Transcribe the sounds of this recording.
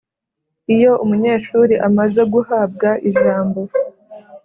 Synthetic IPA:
ijo̞umuɲe̞ːʃuɾiʔamaze̞ɡuhaːb̚ɡaʔiʒaːmbo̞

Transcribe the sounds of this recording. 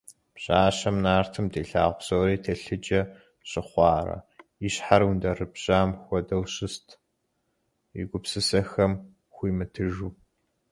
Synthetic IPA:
pɕʼaːɕɐmnaːrtʰɨmdeːɬaːʁʷʊpsoːɾiːtʰɐɬɨd͡ʒɐ | ɕʼɪχʷɑːrɐ̰iɕħaɾundɐrɨbɕaːmxʷɔdɐwɕɪstʰ | ḭɡʷʊpsɨsɐxɐm | xʷiːmɨtʰɨʒuː

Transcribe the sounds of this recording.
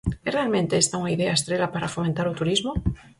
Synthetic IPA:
erealmẽnt̪e̞est̪aunaiðeaest̪ɾe̞lapaɾafo̞ment̪aɾut̪uɾizmo

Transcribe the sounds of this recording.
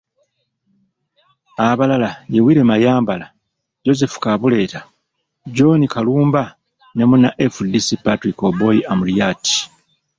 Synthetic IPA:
aβalalaje̞wiːɾe̞majaːmbala | ɟo̞ze̞fu̥kaβule̞ːta | ɟo̞nikaluːmba | ne̞munaʔefudisipatɾikobo̞iamulijati̥

